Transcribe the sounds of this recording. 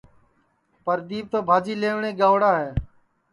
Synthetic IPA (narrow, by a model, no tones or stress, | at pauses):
pəɾd̪iːʋ̚t̪oːbʱaːd͡ʒiːleːʋɳẽːɡãːʋɽaːɦeː